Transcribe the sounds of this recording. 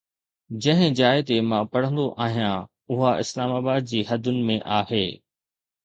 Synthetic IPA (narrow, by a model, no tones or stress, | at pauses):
d͡ʑɐ̃ɦɪ̃d͡ʑaːɪt̪emãpɐɽ̤ə̃nd̪oʔaːɦijã | ʊɦaʔɪ̰slaːmaːbaːd̪̚d͡ʑiːɦɐd̪ʱʊnɪ̆mẽʔaːɦeː